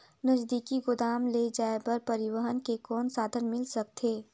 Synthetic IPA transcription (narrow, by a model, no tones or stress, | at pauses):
nəzd̪iːkiɡʊd̪aːmled͡ʒaːepɐɾpɐɾɪwəɦənkekɔːnsaːd̪ʱənmɪlsɐk̚t̪ʰeː